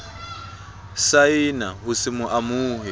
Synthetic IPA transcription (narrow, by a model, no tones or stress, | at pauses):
sainaɦusimuʔamuːɦɛ